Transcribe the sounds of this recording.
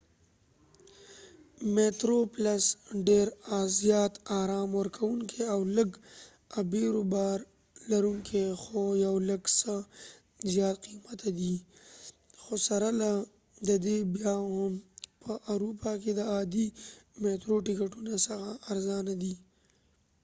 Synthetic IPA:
meʈ̪ɾoplasɖeɾazjɑːt̪aːɾɑːmwəɾkʰawuŋkʰeawləɡ | abeɾobɑːɾ | laɾuŋkʰexojawləɡsə | zjɑːt̪̚qimat̪ad̪i | xosaɾala | d̪əd̪ebjahʊmpəʔawɾupaked̪əaːd̪imeʈ̪ɾoʈikaʈunasɐɣaːɾzɑnad̪i

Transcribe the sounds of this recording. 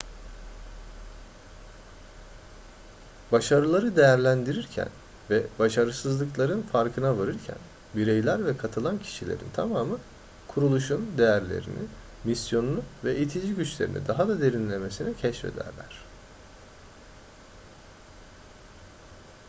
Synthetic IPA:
baʃaɾɯlˠaɾɯd̪e̞jæɾlʲænd̪iɾiɾcʰæ̰n | vɛbaʃaɾɯsɯzlˠɯklˠaɾɯnfaɾkʰɯnavaɾɯɾcʰæ̰n | biɾejlʲæɾvɛkʰat̪ʰɯlˠancʰi̥ʃilʲe̞̰ɾḭnt̪ʰamaːmɯ | kʰuɾulˠuʃund̪e̞jæɾlʲḛɾḭni | misjo̞nunuvɛʔit̪ʰid͡ʒiɟyt͡ʃlʲe̞ɾḭnḭd̪aɦad̪ad̪e̞ɾinlʲe̞me̞sinɛcʰɛʃfḛd̪æ̰ɾlʲæ̰ɾ̝̥

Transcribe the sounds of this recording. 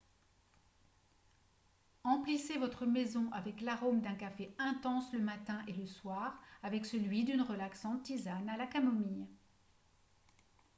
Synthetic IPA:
ɑ̃plisevɔt̪χəmezɔ̃ʔavɛklaʁomd̪ɛ̃kafeɛ̃t̪ɑ̃sləmat̪ɛ̃ʔeləswaːʁavɛksəlɥid̪ynʁəlaksɑ̃t̪ːizanalakamomij

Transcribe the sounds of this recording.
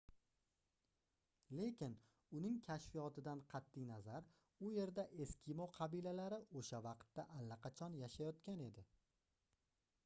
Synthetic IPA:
le̞kʲɪn | ʊnɪŋkʲʰaʃfijɒt̪ʰɪd̪anqʰɑt̪ːijnazaɾ | ʊje̞ɾd̪aʔe̞skʲʰimoqʰɑbilalaɾɪoʃavɑqt̪ːaʔalːaqʰɑt͡ʃʰɒnjaʃajɒt̪kʲane̞d̪ɪ

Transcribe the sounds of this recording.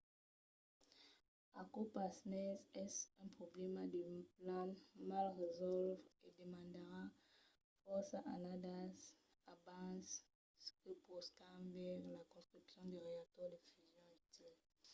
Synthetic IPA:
akopasnɛsɛsɛ̃pχoblɛmad̪əplãmalʁezɔlved̪emɑ̃nd̪əʁa | fɔsaʔanad̪as | abãs | skəpɔst̪ãvɛʁlakɔ̃st̪χypsjɔ̃d̪eʁeat̪wɔd̪efyzjɔ̃yt̪ʰil

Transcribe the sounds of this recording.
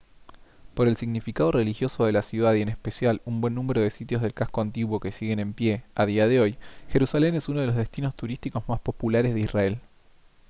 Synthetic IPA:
po̞ɾe̞lsiɣnifikað̞ore̞lixjo̞soðe̞lasjuðaðienespesjalumbwe̞nːũme̞ɾo̞ð̞e̞sit̪jo̞zð̞e̞lkasko̞ant̪iɣwo̞ke̞siɣe̞nẽ̞mpjeaðiað̞eo̞jxe̞ɾusale̞nesunoð̞e̞lo̞zðe̞st̪ino̞st̪uɾist̪iko̞zmaspo̞pulaɾezðisrae̞l

